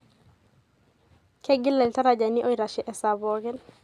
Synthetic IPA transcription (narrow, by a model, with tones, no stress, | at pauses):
kɛ˦ɡɪ˦lɛ˨lta˦ɾa˨d͡ʒa˨ni˦ʔo˦i˦ɾa˨ʃɛ˨ʔɛ˨sa˨bɔ˨ɡɛ˦n